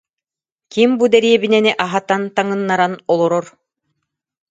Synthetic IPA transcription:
kimbud̪ɛɾiɛbinɛniʔaɦat̪ant̪aŋɯnːaɾanɔlˠɔɾɔɾ

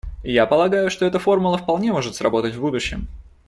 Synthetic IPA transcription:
japəlˠɐɡajʊʂt̪o̞ɛt̪əfo̞rmʊlˠəfpɐlˠnʲe̞mo̞ʐɨt̪sɾɐbo̞t̪ətʲvbud̪ʊɕːɪm

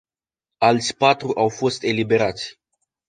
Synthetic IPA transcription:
alt̪sʲpat̪ɾuʔawfo̞st̪e̞libe̞ɾat̪sʲ

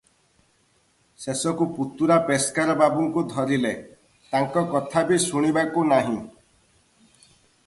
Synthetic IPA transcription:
sesɔkuput̪uɾapeskaɾɔbabuŋkud̪ʱɔɾile | t̪aŋkɔkɔt̪ʰabisuɽ̃ibakunaɦĩ

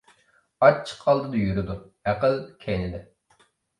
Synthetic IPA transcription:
ɑt͡ʃʰːə̥qʰːɑlˠd̪ɨd̪ɨjyɾɪd̪u | æqəlkʲʰɛjnɪd̪ɪ

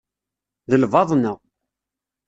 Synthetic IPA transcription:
ðəlvɑðˤna

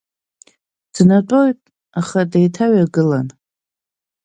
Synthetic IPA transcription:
d̥natʼo̞jtʼ | aχadajtʰaɥaɡɨlan

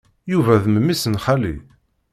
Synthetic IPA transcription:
juvæðməmːisənχalḭ

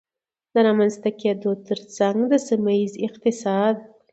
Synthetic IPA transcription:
d̪əɾɑmanzt̪aked̪ot̪əɾt͡saŋɡd̪əsimaizɪq̚t̪ɪsɑd̪

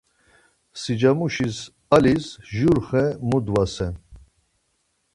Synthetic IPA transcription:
sid͡ʒamuʃis | alisʒuɾχɛmud̪vasɛn

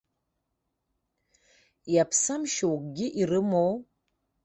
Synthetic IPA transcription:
japʰsamʃiwk̚ɡʲiʔiɾɨmow

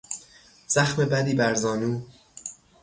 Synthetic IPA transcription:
z̥æxme̞bæd̪iːbæɾzɒːnuː

